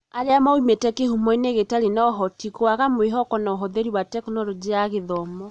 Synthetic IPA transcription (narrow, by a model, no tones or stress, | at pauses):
aɾeamaumetɛkehumɔineɣetaɾenɔɦɔtikoaɣamweɦɔkɔnɔɦɔðeɾiwatɛknɔlɔd͡ʒiaɣeðɔmɔ